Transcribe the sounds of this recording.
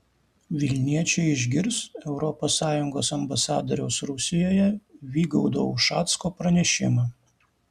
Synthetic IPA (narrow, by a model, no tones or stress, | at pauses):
ʋʲɪlʲnʲiɛt͡ʃʲɛɪɪʒʲɡʲɪɾsɛʊɾɔpoːsːɑːjʊŋɡoːsɐmbɐsɑːd̪oɾʲɛʊsɾʊsʲɪjoːjɛʋʲiːɡɐʊd̪o̰ʊʃɑːt̪skoːpɾɐnʲɛʃʲɪ̰mɑ